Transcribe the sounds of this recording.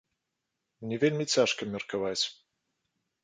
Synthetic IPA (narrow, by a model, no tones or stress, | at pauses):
mnʲɛvʲelʲmʲit͡sʲaʂkɐmʲɐrkavat͡sʲ